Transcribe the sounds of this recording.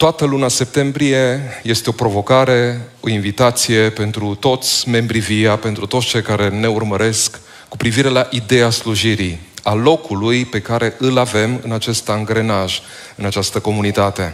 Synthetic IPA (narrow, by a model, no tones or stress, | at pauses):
t̪oat̪əlunase̞p̚t̪e̞mbɾije̞je̞st̪e̞o̞pɾo̞vo̞kaɾe̞o̞invit̪at̪sije̞pe̞nt̪ɾut̪o̞t̪sʲme̞mbɾiviape̞nt̪ɾut̪ot̪st͡ʃe̞jkaɾe̞ne̞urməɾe̞skː | upɾiviɾe̞laʔid̪e̞asluʒiɾi | alo̞kulujpe̞kaɾe̞ʔɨlave̞mɨ̰nat͡ʃe̞st̪aŋɡɾe̞naʒ | ɨnat͡ʃast̪əko̞munit̪at̪e̞